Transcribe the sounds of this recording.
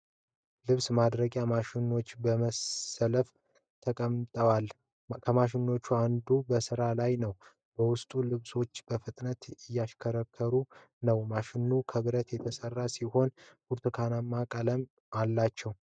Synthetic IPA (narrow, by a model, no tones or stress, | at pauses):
lɨβsmad̪ɾəɡʼjamaʃɪnːo̞t͡ʃːbəməsələf | t̪ʰəkʼəmt̪ʼəwal | kʰəmaʃ̬ɪnːo̞t͡ʃːuand̪ubəsɨɾalajnəw | bəwʊst̪ʼulɨβso̞t͡ʃːb̥əfɨt̪ʼnət̪ɪjːaʃkʰəɾəkʰːəɾu | nəwmaʃɪnːukʰəβɨɾət̪jɛt̪ʰəsərːasiho̞nbuɾt̪ʰukʰanamːakʼələm | alːat͡ʃːɛw